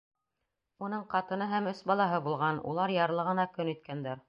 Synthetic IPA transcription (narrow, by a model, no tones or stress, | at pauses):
un̪ɤɴqɑt̪ɤ̆nɤɦæmɵsbɑlˠɑɦɤbulˠʁɑnṵlˠɑɾjɑɾlˠɤ̆ʁɤnɑkɵnit̪̚kænd̪æɾ